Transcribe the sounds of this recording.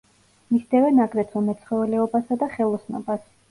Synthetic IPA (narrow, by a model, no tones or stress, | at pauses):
misd̪ɛvɛnaɡɾɛt̪ʰumɛt̪sʰχwɛvɛlɛɔbasad̪aχɛlˠɔsnɔ̰bas